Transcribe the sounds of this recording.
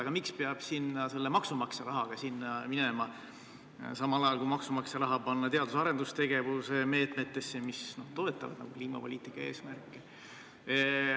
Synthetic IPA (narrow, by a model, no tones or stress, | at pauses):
ɑɡ̥ɑmikspeɑb̥sinːɑse̞lːemɑksumɑkseɾɑɦɑɡ̥ɑsinːɑmine̞mɑ | sɑmɑlɑjɑlkuimɑksumɑkseɾɑɦɑpɑnːɑt̪e̞ɑd̪̥usɑɾe̞nd̪ust̪e̞ɡ̥e̞vuseme̞ːt̪ˑme̞t̪ːˑe̞sːemisno̞ht̪o̞e̞t̪ːˑɑ̰vɑd̪̥nɑ̰ɡ̥ukliːmɑpo̞lʲiːt̪ˑikːˑɑe̞ːsmærkːˑe